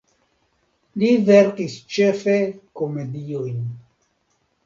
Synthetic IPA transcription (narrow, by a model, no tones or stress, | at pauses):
liveɾkist͡ʃefekomediojn